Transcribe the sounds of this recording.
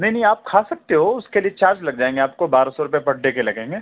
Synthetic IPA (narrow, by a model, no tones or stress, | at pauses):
nɐɦĩnɐɦĩaːp̚kʰaːsɐk̚t̪eɦoʊskeliet͡ʃaːɾd͡ʒlɐɡd͡ʒaːẽːŋɡeaːp̚kobaːɾasɔɾʊpjepɐʈ̚ɖekelɐɡẽːŋɡeː